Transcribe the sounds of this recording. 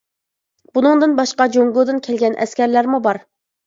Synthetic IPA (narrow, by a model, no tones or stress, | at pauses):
bunɨŋd̪ɨnbɑʃqɑd͡ʒoŋɡod̪ɨnkʲʰɛlɡʲɛnʔɛ̰skʲɛɾlæɾmubɑɾ